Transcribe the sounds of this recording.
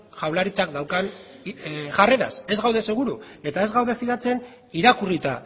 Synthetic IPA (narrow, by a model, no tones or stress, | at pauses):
ʝawlaɾit͡sakd̪awkan | ʝare̞ɾa̰se̞zɣawðe̞se̞ɣ̞uɾue̞t̪ae̞zɣawðe̞fiðat͡se̞n | iɾakurit̪a